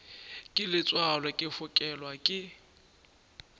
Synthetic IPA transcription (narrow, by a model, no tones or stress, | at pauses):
kʼɪlɪt͡sʼwalakʼɪfʊkʼɛlwakʼɪ